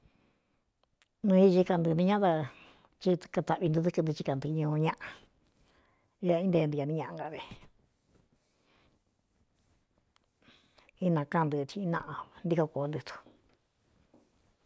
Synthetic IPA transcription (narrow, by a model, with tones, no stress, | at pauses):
nũ˧i˧ʒi˧ka˧nd̪ɨ˧nĩ˧ɲã˦t̪a˧ | t͡ʃi˧ka˧t̪a˧ʔβi˧d̪u˧ðɨ˧kɨ˧nd̪t͡ʃi˧ka˨nd̪ɨ˧ɲũ˧ɲã˦˧ʔã˧ | ja˧ĩ˦nd̪e˧nd̪i˧ja˧nĩ˧ɲã˧ʔã˧ɡa˨ðe˧˨ | i˦nã˨˧kã˧˨nd̪ɨ˧t̪ʰĩ˧i˧nã˧ʔã˧nd̪i˧ka˧ko˨˦˧nd̪ɨ˧t̪u̥˧